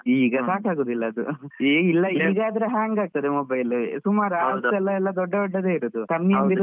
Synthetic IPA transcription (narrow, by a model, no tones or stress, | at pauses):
iːɡɐsaːʈaːɡoːd̪ilːɐɐd̪ueilːɐiːɡaːd̪ɐɾeɦaːŋɡaːɡ̚t̪ɐd̪emɔbɐjlusumaːɾuaːɾɐsɛlːɐɛlːɐd̪ɔɖːɐɔɖːɐd̪e̞ːiɾoːd̪uk̪ɐnːijɐmbiɾ